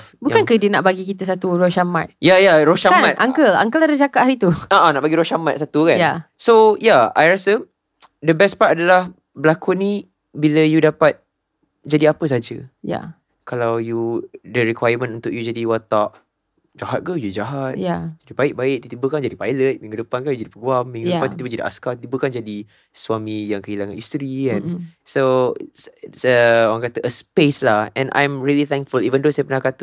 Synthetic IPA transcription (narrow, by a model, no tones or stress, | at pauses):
bukankədinaʔbaɡikit̪əs̬at̪uɾoʃama̰t̪̚jajaɾoʃamat̪ʔaŋkəla̰ŋkəladəd͡ʒakaʔ̚haɾit̪uaʔanaʔbaɡiɾoʃamat̪̚sat̪ukanjasojaajɾasə | dəbɛspat̚adalah | bəlakuni | biləjudapat̪̚ | d͡ʒadiapəs̬ad͡ʒəja̰ | kalawjudəɾikwajəmə̃nunt̪ʊʔjud͡ʒadiwat̪aʔ | d͡ʒaɦat̪̚kad͡ʒadid͡ʒaɦat̪jad͡ʒadibaɪk̚baɪʔ̚t̪it̪ibəkand͡ʒadipajlət̪̚mĩŋɡudəpankanjud͡ʒadipəɡuamːĩŋɡdəpant̪it̪ibəd͡ʒadiʔa̰skat̪it̪ibəkand͡ʒadi | swamĩjaŋkəɦilaŋãnist̪ɾiɛ̃nso̰ssəoɾaŋkat̪əʔəspeslahɛ̃nʔã̰jmɹilit̪ɛ̃ŋkfulivəndosajəpənahkat̪